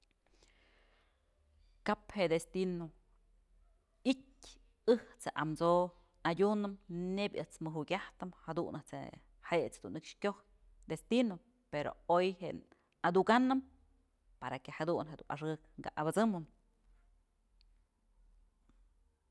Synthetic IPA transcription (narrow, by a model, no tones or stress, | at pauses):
kapheʔd̪est̪ino | itʲ | ɨht͡sheʔamt͡so | adʲunɨmnebʲɨht͡smɨɦuɡʲaht̪ɨmhad̪unɨht͡sḛ | heʔt͡sd̪unːɨkʂkʲoh | d̪est̪ino | peɾo̰ojɦeʔ | ad̪uɡanɨm | paɾakehad̪uʔnɦed̪ṵʔaʂɨkŋɡa̰ʔabɨt͡sɨmɨn